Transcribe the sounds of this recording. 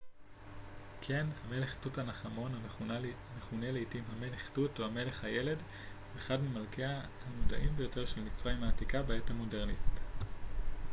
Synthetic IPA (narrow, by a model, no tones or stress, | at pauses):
kʰe̞nhame̞leχtutanaχamo̞na | neχuneleitimhame̞leχtutohame̞le̞χhajele̞d | veːχadmemalkeahamoda̰ʔimbejo̞te̞ʁʃe̞lmit͡sʁaimhaːtikabeethamo̞deʁnit